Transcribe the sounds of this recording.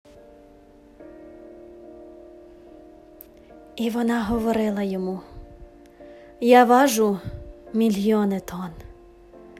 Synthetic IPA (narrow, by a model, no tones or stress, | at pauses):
iʋɔnɑɦɔʋɔɾɪlˠɐjɔmu | jɑʋɑʒʊmʲilʲɔnɪt̪ɔn